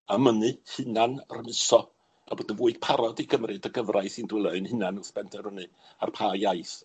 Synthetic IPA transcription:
əmənɨhɨnanrəmɪsɔ | aboːdənvuːɨd̥pʰaɾɔdiɡəmrɨdəɡəvrʔajsɨndwɪlˠəɨnhɪnanəspɛntʰɛnhənɨ | a̰rpʰaːjajθ

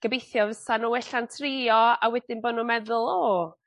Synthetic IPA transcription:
ɡ̥əbejθjɔvəsanuɛɬantʰriːɔawɛdɪnboːdnumɛðʊlˠɔ

